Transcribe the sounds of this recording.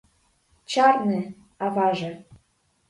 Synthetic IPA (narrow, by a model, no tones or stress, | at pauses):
t͡ɕɑrnĕ | ɑvɑʒĕ